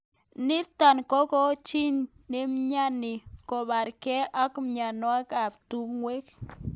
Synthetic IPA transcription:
ni˦t̪a˨nko˦ko˦t͡ʃi˦nː | i˦mɲa˦ni˨ko˨ba˨ɾke˦a˦kmɲa˨no˦a˦ka˨bt̪u˦ŋwe˦k

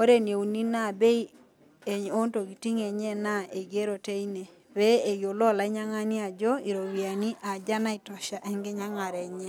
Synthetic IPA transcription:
o˦ɾe˦n˨e˨u˨ni˦na˦˨be˦i˦ | e˨ɲo˦nto˨ɡi˨ti˦ŋɛ˨ɲɛ˦na˦e˨ɡe˦ɾo˨te˦i˦ne˨ | ɾɛ˦e˨jo˨lɔ˦˨la˨˦ɪ˦ɲa˦ŋa˦ni˦a˨d͡ʒɔ˦i˨ɾo˨wi˨a˨ni˦ʔa˨d͡ʒa˦na˦i˨tɔ˨ʃa˨ʔɛ˦ŋɡɛ˦ɲa˦ŋa˨ɾɛ˨ɲɛ˦

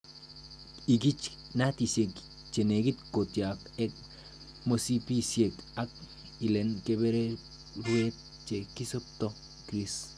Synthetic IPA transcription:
i˨ɡi˦t͡ʃ | na˦t̪i˨sje˨k | t͡ʃe˨ne˨ɡi˦t̪ko˨t̪ja˨ke˦k̚ | mo˧si˦pi˦sje˨ka˦k̚ | i˨le˨nke˦be˦ɾe˦ | ɾwe˦t̪̚ | t͡ʃe˨ki˦so˦p̚t̪o˦ | kɾi˦s

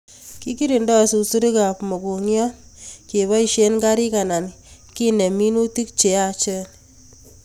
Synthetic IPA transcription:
ki˦ki˦ɾi˨ndɔ˦˨su˨su˦ɾi˦ka˨pmo˨ku˨ŋjɔ˦nke˨βa˦i˨ʃe˦nɡa˦ɾi˦ka˨na˨nki˦ne˨mi˦nu˦ti˦k̚t͡ʃe˨a˦t͡ʃə˦

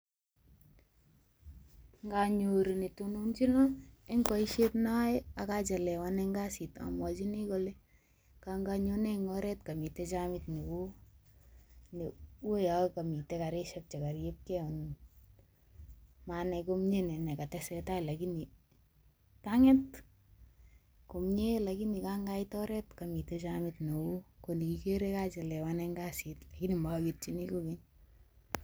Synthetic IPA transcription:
ŋɡa˨ɲo˨ɾi˨ni˨tunu˦nt͡ʃi˦lɔ˦ɛ˦ŋkɔ˨iʃetna˦ja˨ka˦d͡ʒa˨lɛ˨wanɛ˦ŋɡa˦si˨ta̰˨mwa˨d͡ʒi˦ni˦kɔ˨lɛ˦ | ka˨ŋɡaɲonɛ˦ŋɡɔɾɛ˦t̚ka˨mi˨tɛ˦t͡ʃamitni˨ku˦ | ni˨u˦jaka˨mi˨tɛ˦ka˨ɾe˦ʃɛp̚t͡ʃɛ˨ka˨ɾje˦p̚kɛɔ˨n | manɛkomɲe˦nɛ˨nɛ˨ka˨tɛsɛtaila˨kini˨ | taŋɛ˦t | ko˨mɲelaki˦ni˨kaŋɡaitɔɾɛtkami˨tɛt͡ʃamɪtne˨u˦koni˨kikeɾe˦kat͡ʃɛ˨lɛ˨wanɛŋɡasitla˨ki˦ni˨makit̚t͡ʃini˦koki˦ɲ

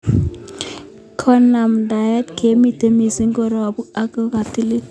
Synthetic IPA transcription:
kʰɔ˦na˨mda˨jɛ˦tkʰe˨˦mi˦te˦mi˨si˦ŋɡo˦ɾɔ˨bu˦a˦ko˦ka˨ti˦li˦

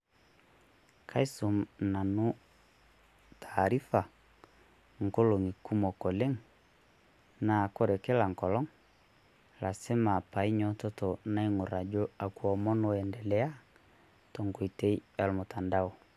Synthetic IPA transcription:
kʰa˦i˦su˨mna˨nu˦ | tʰa˨ɾi˦fa˨ | ŋ̩˨ko˦lo˨ŋi˨ku˦mɔ˨ko˨le˦ŋ | na˨ko˦ɾɛ˨ke˦la˨ŋ˨kɔ˨lɔ˦ŋ | la˨se˦ma˨pa˨i˦ɲɔ˦tɔ˦to˨na˦i˦ŋu˨ɾa˨d͡ʒo˦a˨ku˨ɔ˨mɔ˦nɔ˨ɛ˨ndɛ˨lɛ˨a˦ | to˨ŋɡo˨i˨te˦i˦a˨lmʊ˨ta˨nda˦o˨

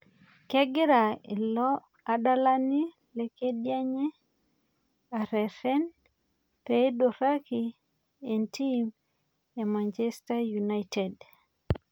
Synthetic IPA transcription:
kɛ˦ɡɪ˦ɾa˨ḭ˨lɔ˦ | a˨da˦la˦ni˦ | leke˦dja˦ɲe˦ | a˨ɾɛ˨fɛ˦n | pedoɾa˦ki | e˨ntʰim | e˨mant͡ʃɛstajunajted

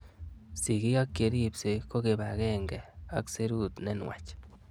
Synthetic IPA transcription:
si˨ɡi˦ɡa˦kje˧ɾi˦˨bse˧ko˦ɡe˧ba˨ɡe˦ŋɡe˨a˦kse˦ɾu˦d̪ne˦nwḛ˨t͡ʃ

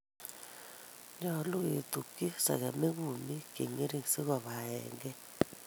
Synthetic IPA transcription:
ɲɔ˦˨lu˦ɣe˨t̪u˨ki˦sa̰˨ɣa˨me˦ɣu˨mi˦kḛ˨ŋe˦ɾi˦ŋ˨si˦ɣɔ˨βa˨ɛ̰˨ŋɡɛ˦

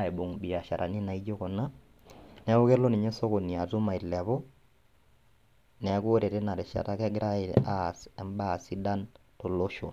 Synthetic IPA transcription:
e˨bo˨ŋbi˨a˨ʃa˨ɾʔa̰˨ni˦na˨i˦d͡ʒo˦kɔ˨na˦ | nɛ˨˦o˦kɛ˦lɔ˦ni˨ɲɛ˦sɔ˦ko˨ni˨a˨tu˦ma˨i˨lɛ˨βɔ˦ | nɛ˨˦ko˦ɾe˨te˦na˨ɾɛ˨ʃa̰˨ta˦kɛ˦ɡɪ˦ɾa˦ɪ˨a˦˨sɛ˨mba˦˨si˦da˦ntɔ˨lo˦ʃo̰˨

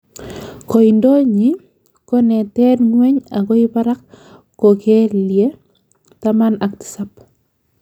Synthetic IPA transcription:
ko˨ɪ˨ndo˦ɲi˨˦ | ko˦nɛ˨tɛ˦dŋwɛ˦ɲa˨kɔ˦ɪ˦pa˦ɾa˦k | kːo˨ke˦lje˦ | tama˦na˨ktɪ̥˨sa˦p

